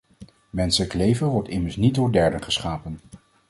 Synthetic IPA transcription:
mɛnsələklejvənʋɔɹtɪməɹsnit̚dʊːɹdɛɹdənχəsχaːpən

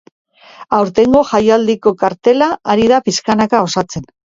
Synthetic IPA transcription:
awɾt̪e̞ŋɡo̞ʝajald̪iko̞kaɾt̪e̞laːɾiðapiskanakao̞sat͡se̞n

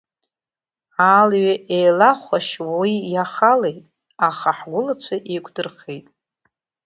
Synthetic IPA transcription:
alɥaʔejlaχʷaʃwawijaχalejtʼ | aχaħɡʷʊlat͡ɕʷʰaʔekʷʰʼdɨrχejtʼ

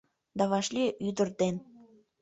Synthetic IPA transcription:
d̪ɑβɑʃlʲiʔyd̪ə̆rd̪en

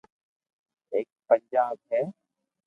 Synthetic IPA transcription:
eːk̚pəɲd͡ʒaːb̚ɦɛː

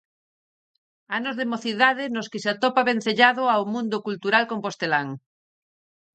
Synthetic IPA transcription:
anozðemoθiðað̞enoskesat̪opaβẽn̟θeʎað̞oawmũnd̪okult̪uɾalkompost̪elaŋ

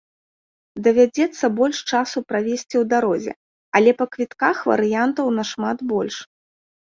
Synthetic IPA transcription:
d̪ɐvʲad͡zʲɛt̪sːɐbɔlʲʂt͡ʂasupɾavʲesʲt͡sʲiwd̪aɾɔzʲɛ̰ | ɐlʲɛpɐkvʲit̪kaxvɐ̰ɾɨjant̪ɐwnɐʂmad̪bɔlʲʂ

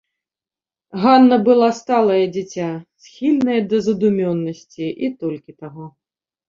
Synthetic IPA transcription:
ɣanːɐbɨlˠast̪alˠɐjɐd͡zʲit͡sʲasʲxʲilʲnɐjɐd̪ɐzɐd̪umʲɔnːɐsʲt͡sʲiʔit̪ɔlʲkʲit̪aɣɔ

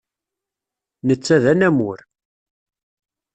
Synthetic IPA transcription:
nət͡sːæðænæmʊɾ

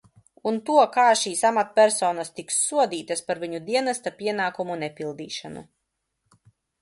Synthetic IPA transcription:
unt̪uɔkaːʃiːsamat̪̚pʲæɾsɔːnast̪iksːuɔd̪iːt̪aspaɾviɲud̪iɛnast̪apʲiɛnaːkumunɛpʲilˠd̪iːʃanṵ

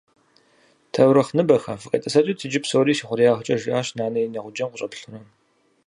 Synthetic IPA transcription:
tʰɐwɾɐχnɨbɐxɐfɨqʼɐ̰tʼɐsɐtʼiːtʰɨd͡ʒɪpsoːɾiːsiːχʷʊrijaːʁt͡ʃʼɐʒɪʔaːɕnaːnɐjinɐʁʷʊd͡ʒɐmqʷʊɕʼɐpɬɨrɐm

